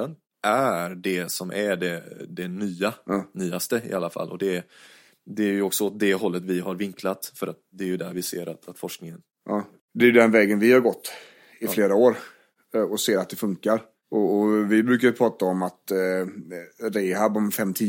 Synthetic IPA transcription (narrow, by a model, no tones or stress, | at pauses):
ən | ʔæɾɖɛsɔmʔæɖɛd̪ɛnyːanyːast̪əɪ̰ʔalːafa̰lʔɔ̰d̪ɛ | d̪ɛæɾjɵɔksɔɔt̪̚d̪ɛɦɔlːət̪vɪɦaɾvɪŋkʰlat̪fœɾat̪̚d̪ɛːɾjɵd̪æɾvɪsḛːɾat̪ʰat̪fɔʂknɪŋən | ʔ | d̪ɛːjɵd̪ɛnvɛːɡənvɪhaɾɡɔt̪ː | ɪfleːɾaoːɾ | ɔseːɾat̪̚d̪ɛfɵŋkaɾ | ɔːvɪbɾʉ̟ːkajəpʰɾɑːt̪aɔmat̪ | ɾeːɦabɔmfɛmːt̪ʰiː